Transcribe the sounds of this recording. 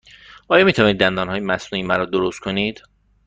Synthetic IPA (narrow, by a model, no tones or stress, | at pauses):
ʔɒːjɒːmiːt̪ʰævɒːniːd̪ːænd̪ɒːnhɒːjemæsnuːiːmæɾɔːd̪oɾost̪̚kʰoniːd̪̥